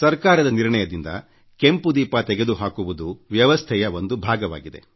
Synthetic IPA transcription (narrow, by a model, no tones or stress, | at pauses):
sɐɾkaːɾɐd̪ɐniɾɳɐjɐd̪ind̪ɐ̰ | kempud̪iːpat̪ɛɡe̞d̪uɦaːkuʋud̪uʋjɐʋɐst̪ʰɛjɐʋo̞nd̪ubʱaːɡɐʋa̰ːɡid̪e̞̰